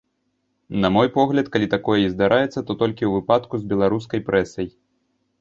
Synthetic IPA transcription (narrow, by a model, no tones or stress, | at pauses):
nɐmɔjpɔɣlʲɐt̪kalʲit̪akɔjɐizd̪aɾʔajɛt̪sːɐt̪ɔt̪ɔlʲkʲiwvɨpat̪kuzbʲɛlˠaɾus̬kɐjpɾʔɛsɐj